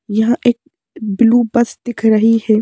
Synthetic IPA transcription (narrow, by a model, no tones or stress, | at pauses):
jɐɦãʔeːk̚ | bɪluːbɐsd̪ɪkʰɾɐɦihɛː